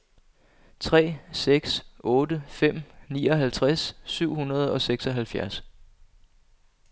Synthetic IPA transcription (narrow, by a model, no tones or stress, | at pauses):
t͡sʰʁɛ̰ːseɡ̥sʔɔ̽ːdəfem̰nḭːɒ̽ɦælt͡sʰʁasːyʊ̰hunɐð̞ˠɒ̽seɡ̥sɒ̽ɦælfjæɐs